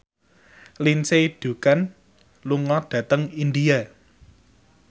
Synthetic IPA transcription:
linsed̥ṳkan | luŋɔɖ̥ä̤t̪əŋindia

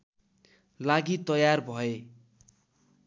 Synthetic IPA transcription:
laɡit̪ʌjarbʱʌe

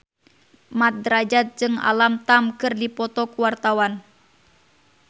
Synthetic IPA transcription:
mat̪̚dɾad͡ʒat̪̚d͡ʒɨŋa̰lamt̪amkɨrdipɔt̪ɔkuwart̪awan

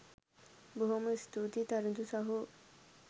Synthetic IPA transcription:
boɦomost̪ut̪it̪aɾud̪usaɦo

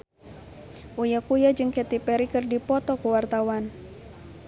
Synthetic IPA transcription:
ʔujakujad͡ʒɨŋkɛt̪ipɛɾikɨrdipɔt̪ɔkəwart̪awan

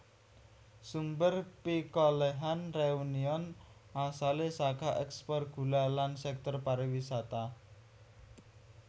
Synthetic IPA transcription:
sumbərpikɔleɦanreuniɔnʔasalesakaʔɛkspɔrɡ̥ṳlalansɛk̚t̪ɔrpaɾiwisat̪a

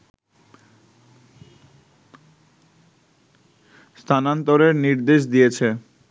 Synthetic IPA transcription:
st̪ʰanant̪oɾeɾniɾd̪eʃ̬d̪ijet͡ɕʰe

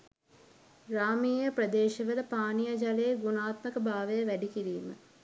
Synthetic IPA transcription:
raːmijjəprəd̪eːʃɐʋələpaːnijad͡ʒaleːɡunaːt̪məkəbaːʋəjəʋæɖikiɾiːmə̰

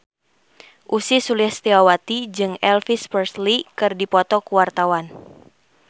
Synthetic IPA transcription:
ʔusisulihst̪iwawat̪id͡ʒɨŋɛlfispərslikɨrdipɔt̪ɔkuwart̪awan

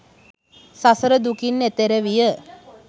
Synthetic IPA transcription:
sasəɾəd̪ukinːet̪eɾəʋijə

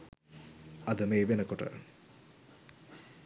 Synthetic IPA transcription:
ɐd̪əmejʋenəkoʈə̰

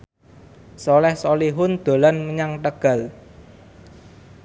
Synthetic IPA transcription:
solɛhsoliɦʊnd̪̥o̤lanməɲaŋt̪əɡ̥ä̤l

